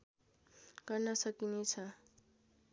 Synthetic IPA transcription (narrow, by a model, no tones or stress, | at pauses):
ɡ̥ʌrnʌsʌkinet͡sʰʌ